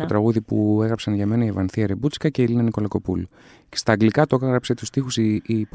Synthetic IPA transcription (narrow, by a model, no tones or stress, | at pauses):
ot̪ɾɐɣuðipue̞ɣɾɐpsɐnʝɐme̞nɐievɐnθiɐɾebut͡skɐce̞ilinɐniko̞lɐko̞pṵlu | cest̪ɐːɡlikɐt̪oɣɐɣɾɐpse̞t̪ust̪ixusip